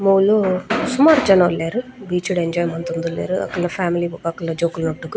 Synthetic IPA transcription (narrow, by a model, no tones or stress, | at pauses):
moːlusumaːɾd͡ʒɐnɐɐlːeːɾubiːt͡ʃuɽeɲd͡ʒaːjmɐnt̪und̪ulːḛːɾuɐ̰kːɐlnɐfʰaːmiliːbukakːɐlːɐd͡ʒoːkulnoʈːukɯ